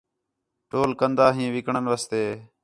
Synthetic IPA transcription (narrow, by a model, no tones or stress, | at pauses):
ʈoːlkənd̪aːɦĩːʋɪkɳənʋaːst̪eː